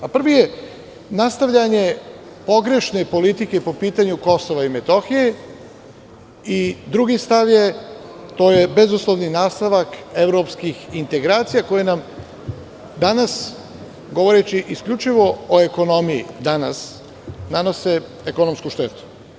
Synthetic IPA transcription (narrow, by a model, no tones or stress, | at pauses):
apr̩ʋije | nast̪aʋʎaɲe̞ | po̞ɡɾe̞ʃne̞po̞lit̪ike̞po̞piːt̪aɲuko̞so̞ʋaimet̪o̞xije̞ | id̪ɾuɡist̪aʋje̞t̪o̞ːje̞be̞zuslˠoʋninaːst̪aʋake̞ʋɾo̞pskixint̪e̞ɡɾaːt̪sijako̞jenam | d̪anas | ɡo̞ʋo̞ɾet͡ɕiʔiskʎʲut͡ʃiʋo̞oeko̞no̞mijḭd̪ana̰s | nano̞se | eko̞no̞mskuʃt̪et̪u̥